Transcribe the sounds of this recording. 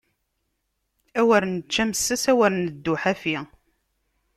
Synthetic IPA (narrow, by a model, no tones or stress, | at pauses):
æwæɾnt͡ʃːæmsːæsæwæɾnəd̪ːʊħæfi